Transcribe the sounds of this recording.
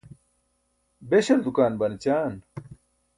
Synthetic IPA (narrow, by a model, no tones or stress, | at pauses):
beɕɐɾd̪ukaːnbɐnit͡ɕaːn